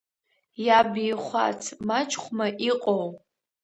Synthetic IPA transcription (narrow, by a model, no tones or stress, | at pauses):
jabiːχʷa̰t͡sʰmat͡ʃʰʼχʷmaʔiqʼow